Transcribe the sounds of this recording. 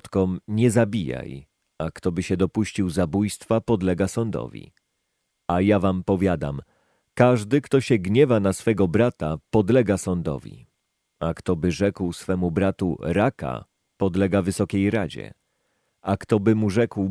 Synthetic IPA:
t̪kɔmɲɛzabʲija̰j | akt̪ɔbɘɕɛd̪ɔpuɕt͡ɕiwzabujst̪fapɔd̪lɛɡasɔnd̪ɔ̰vʲḭ | ajavampɔvʲjad̪a̰m | kaʐd̪ɘkt̪ɔɕɛɡɲɛvanasfɛɡɔbɾat̪apɔd̪lɛɡasɔnd̪ɔ̰vʲḭ | akt̪ɔbɘʐɛkwsfɛmubɾat̪ṵɾaka̰ | pɔd̪lɛɡavɘsɔkʲejɾad͡ʑɛ̰ | ʔakt̪ɔbɘmuʐɛkw

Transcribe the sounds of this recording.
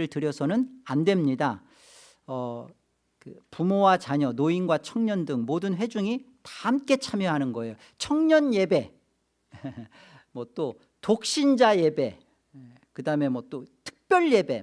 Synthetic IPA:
ɯɭtɯɾjʌsʰʌnɯnandwe̞mɲida | ʌ | kɯpumowat͡ɕaɲʌnoinɡwat͡ɕʰʌŋɲʌndɯŋmodɯnɸwe̞d͡ʑuŋitḁhamk͈e̞t͡ɕʰamjʌɦanɯnɡʌe̞jo | t͡ɕʰʌŋɲʌnje̞be̞ | mwʌt͈o | tok̚ɕ͈ind͡ʑaje̞be̞ | kɯdaɯme̞mwʌt͈otʰɯ̥k̚p͈jʌɭje̞be̞̰

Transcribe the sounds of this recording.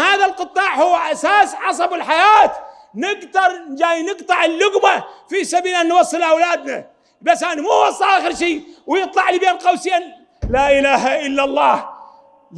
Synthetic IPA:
haːðalqɨt̪ˤːɑːʕhʊwːʔasaːsʕɑs̬ˤɑbɪlħajaːt̪ | nɪɡd̪ɑɾˤnd͡ʒaːjnɪqt̪ˤɑʕɪlːʊɣmafisabiːlʔanːwɑsˤːɨlʔawlaːd̪na̰ | basːʔanamuːwɑsˤːɑʔaːxɪɾʃiːwjɨt̪ˤlɑʕlibeːnlqɑwsɪan | laːʔɪlaːɦaʔɪlːalˤːɑːh

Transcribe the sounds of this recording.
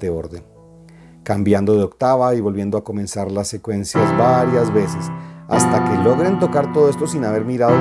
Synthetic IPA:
eo̞ɾðe̞ŋ | kambjand̪o̞ðeokt̪aβaiβo̞lβje̞nd̪oako̞mẽ̞nsaɾlasːe̞kwe̞nsjazβaɾjazβe̞sesa̰st̪ake̞lo̞ɣɾe̞nt̪o̞kaɾt̪o̞ðoest̪o̞sinaβ̞e̞ɾmiɾaðo

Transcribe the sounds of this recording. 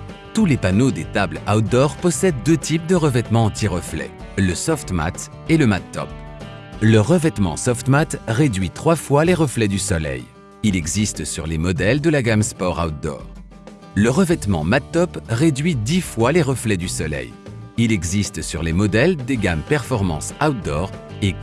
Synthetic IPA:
t̪ulepanod̪et̪ablawt̪̚d̪ɔʁpɔsɛd̪ːøt̪ʰip̚d̪əʁəvɛt̪mɑ̃ɑ̃t̪iʁəflɛ̰ləsɔft̪ma̰t̪ | eləmat̪ːɔ̰p̚ | ləʁəvɛt̪mɑ̰̃sɔft̪mat̪ʁed̪ɥit̪χwafwaleʁəflɛd̪ysɔlɛ̰j | ilɛɡzist̪syʁlemɔd̪ɛld̪əlaɡamspɔʁa̰ut̪̚d̪ɔ̰ʁ | ləʁəvɛt̪mɑ̰̃mat̪ːɔpʁed̪ɥid̪ifwaleʁəflɛd̪ysɔlɛ̰jilɛɡzist̪syʁlemɔd̪ɛld̪eɡampɛʁfɔʁmɑ̰̃sawt̪̚d̪ɔ̰ʁek

